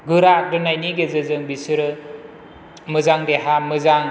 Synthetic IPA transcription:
ɡɯɾadɯnajniɡezɯzɯŋbisɯɾɯ | mɯzaŋdeɦamɯzaŋ

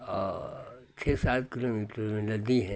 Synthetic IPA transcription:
ɔː | t͡ʃʰeːsaːt̪̚kɪlomiːʈɾmẽnɐd̪iɦɛ̃

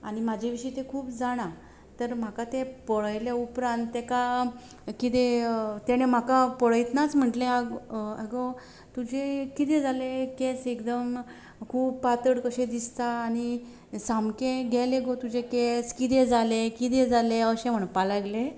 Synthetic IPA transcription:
aɽ̃im̤ad͡ʑʱeʋiɕəjt̪ekʰuːpd͡zaɽ̃ã | t̪əɾm̤akat̪epɔɭəjleupɾãnt̪ːeka | kit̪et̪ɛɽ̃em̤akapɔɭəjt̪nat͡sm̤əʈlẽaɡeɡo | t̪ud͡ʑekit̪ẽd͡zalekesekd̪əm | kʰuːbpat̪əɽkəɕẽd̪ist̪aːñi | samkẽɡʱɛleɡot̪ud͡ʑekeskit̪̬ed͡zalekit̪̬ed͡zaleəɕẽm̤əɳpalaɡle

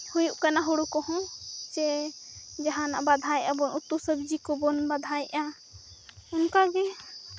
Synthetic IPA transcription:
hujuʔkanaɦuɽukɔhɔ̃t͡ʃɛ | d͡ʒaɦãna̰ʔbad̪ʱajʔabɔnut̪ːusəbd͡ʒikɔbɔnbad̪ʱajʔa | ʊnkaɡɛ

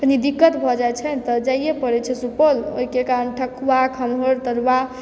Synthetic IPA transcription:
pnid̪ikːət̪bʱɔd͡ʒajt͡ʃʰɛt̪ɔd͡ʒajjepəɾɛt͡ʃʰɛsupəloɦikekanʈʰəkʰwakʰəmɦoɾt̪əɾʋa

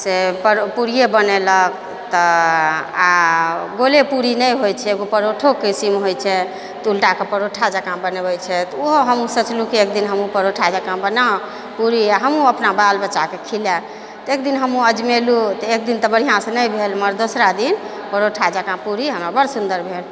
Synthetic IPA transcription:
sepəɾpuɾijebənelək̚ | t̪ɔ | aɡolepuɾinəjɦojt͡ʃʰɛeɡopəɾoʈʰokisimɦojt͡ʃʰɛ | t̪ulʈakepəɾoʈʰad͡ʒəkãbənebəjt͡ʃʰɛt̪ɔoɦoɦəmũsət͡ʃlukiekd̪inɦəmũpəɾoʈʰad͡ʒəkãbəna | puɾiaɦəmũəpnabalbəːt͡ʃːakekʰile | t̪ek̚d̪inɦəmũəd͡ʒmelut̪ɔek̚d̪int̪əbəɽ̤ijãsə̃nəjbʱelməɾd̪osɾad̪in | pəɾoʈʰad͡ʒəkãpuɾiɦəməbəɾsund̪əɾbʱeɽ

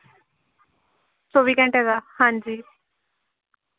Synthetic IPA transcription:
soːʋiːkɛ̃ɳʈɦɛdaːhãːnd͡ʒiː

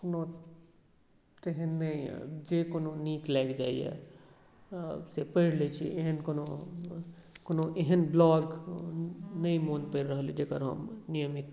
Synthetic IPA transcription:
kono | t̪eɦənːəḭd͡ʒekononiklaɡd͡ʒaijḛ | sepəɪɾlet͡ʃʰḭʔeɦənkono | konoʔeɦənblɔɡ | nəimonpəɾɾəɦəlid͡ʒekəɾɦə̰mnijəmit̪

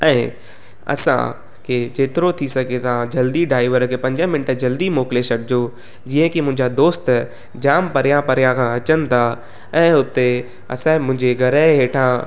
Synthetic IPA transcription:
ɛ̃ː | ɐ̰sã̰ | kʰed͡ʑeːt̪ɪɾot̪ʰisɐɡet̪ãd͡ʑɐld̪iɖaːɪʋəɾkʰepɐ̃ɲd͡ʑə̃mɪ̃nʈd͡ʑɐld̪imoːkɪlesɐɽɪd͡ʑo | d͡ʑiə̃kimʊ̃ɦɪɲd͡ʑad̪oːst̪ | d͡ʑaːmpɐɾɪjãpɐɾijãkʰãɐt͡ɕənɪ̆t̪ʰa | ɛ̃ːʊt̪e | ɐ̰sãmʊ̃ɦɪ̃ɲd͡ʑeɡɐɾəɦɦeːʈʰã

